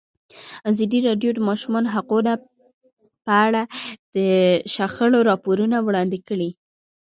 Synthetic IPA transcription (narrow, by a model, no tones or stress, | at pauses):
azɑd̪iɾɑɖjod̪əmɑʃumɑnɦaquna | pəaɽad̪̥əʃaxəloɾɑpoɾunawɽɑnd̪ɪkəɽi